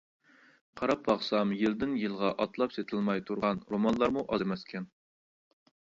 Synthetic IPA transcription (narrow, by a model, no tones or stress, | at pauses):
qʰɑɾɑp̚bɑχsɑmjɪld̪ɪnjɨlˠʁɑʔɑt̪lˠɑpset̪ʰɪlˠmɑjt̪ʰuɾʁɑnɾomɑnlˠɑɾmuʔɑzmɛskʲʰɛn